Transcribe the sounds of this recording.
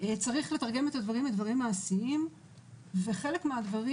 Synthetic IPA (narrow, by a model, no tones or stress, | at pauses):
et͡saʁiχle̞t̪aʁɡe̞met̪ad̪vaʁimed̪vaʁimːaːsiim | ve̞χe̞lekmead̪vaʁ